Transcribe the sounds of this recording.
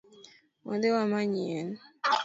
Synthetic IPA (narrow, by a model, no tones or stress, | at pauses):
wa̰dewamaɲiɛn